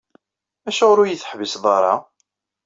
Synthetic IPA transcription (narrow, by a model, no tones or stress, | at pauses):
æʃæʁʊɾujəθə̥ħvəsðˤɑɾˤɑ̰